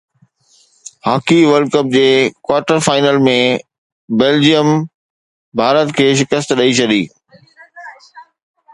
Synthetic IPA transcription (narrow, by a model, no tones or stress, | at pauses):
haːkiʋəlɖ̚kəp̚d͡ʑeːkwaːʈəɾfaːɪnəlmẽ | beːld͡ʑijəm | bʱaːɾət̪kʰeːʃɪkəst̪ɗɐit͡ɕʰɐd̪ḭː